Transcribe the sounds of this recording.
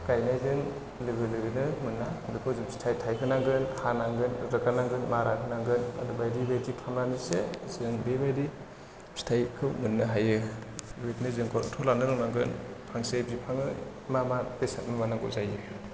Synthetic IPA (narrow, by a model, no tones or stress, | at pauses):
kajnajzɯŋ | lɯɡɯlɯɡɯnɯmɯnːadukʰɔzɯmsi̥tʰajtʰajkʰɯnaŋɡɯnhanaŋɡɯnɾɯkanaŋɡɯnmaɾakʰɯnaŋɡɯna̰dubajdibajdikʰamɾanisezɯŋbebajdi | si̥tʰajkʰɯmɯnːɯɦajɯwitnɯzɯŋkʰɔɾtʰɔlanɯɾɯŋnaŋɡɯnpʰaŋsebzipʰaŋɯ | mamapesatnɯmanaŋɡɔzajɯ